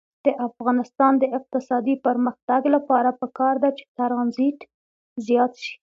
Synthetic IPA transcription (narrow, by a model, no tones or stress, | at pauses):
d̪̥əʔafɣɑnɪst̪ɑnd̪əɪq̚t̪ɪsɑd̪ipəɾməxt̪aɡlapɑɾapəkɑɾd̪at͡ʃe̥t̪aɾɑnzit̪ | zjɑt̪ʃi̥